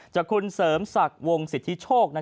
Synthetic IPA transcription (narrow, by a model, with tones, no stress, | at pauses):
t͡ɕa˨˩kʰu˧nsɤː˩˦msa˨˩k̚wo˧ŋsi˨˩t̪ʰːi˦˥t͡ɕʰoː˥˩k̚na˦˥